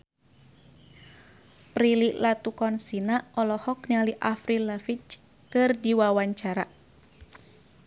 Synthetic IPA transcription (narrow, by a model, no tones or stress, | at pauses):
pɾiliʔlat̪ukɔnsinaʔɔlɔhɔk̚nialiʔafɾilafit͡ʃ | kɨrdiwawaɲt͡ʃaɾa